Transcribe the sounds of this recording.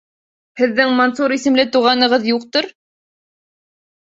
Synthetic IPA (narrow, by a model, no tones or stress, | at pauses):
hɘ̆ðːɘŋmonsuɾisɘ̆mlɘt̪uʁɑnɤ̆ʁɤðjuqt̪oɾ